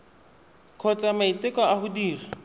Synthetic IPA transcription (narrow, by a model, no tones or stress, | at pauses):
kʰɔt͡samaitɪkɔahʊdiːri